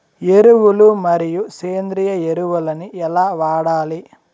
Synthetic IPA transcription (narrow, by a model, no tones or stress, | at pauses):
eɾuʋulumɐɾijuseːnd̪ɾijɐeɾuʋulɐniɛlaːʋaːɽaːli